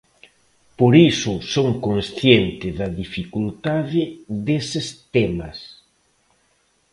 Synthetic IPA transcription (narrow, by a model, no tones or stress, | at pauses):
poɾisʊsoŋkoŋsθjent̪ɪðɐðifikult̪aðɪðesɪst̪ɛmɐs